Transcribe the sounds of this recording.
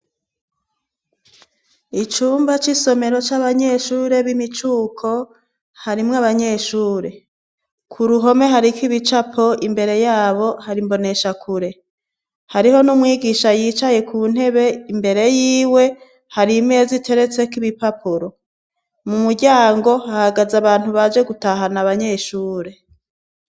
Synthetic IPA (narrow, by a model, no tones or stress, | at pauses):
it͡ʃuːmbat͡ʃiso̞me̞ɾo̞t͡ʃaβaɲe̞ʃuːɾe̞βimit͡ʃuːkʰo̞ | haɾimŋaβaɲe̞ʃuːɾe̞ | kʰuɾuɦo̞me̞ɦaɾikiβit͡ʃapʰoimbe̞ɾe̞jaːβo̞haɾimbo̞ne̞ʃakʰuɾe̞ | haɾiho̞numŋiːɡiʃajiːt͡ʃaje̞kʰuːn̥he̞βe̞imbe̞ɾe̞jiːwe̞ | haɾime̞zitʰe̞ɾe̞t͡se̞kiβipapuɾo̞ | mumuɾɟaːŋɡo̞ahaɡazaβaːn̥huβad͡ʒe̞ɡutaɦanaβaɲe̞ʃuːɾe̞